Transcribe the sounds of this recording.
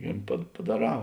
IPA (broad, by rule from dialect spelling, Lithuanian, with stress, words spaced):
ɪ pɐ pɐdɐˈrɑː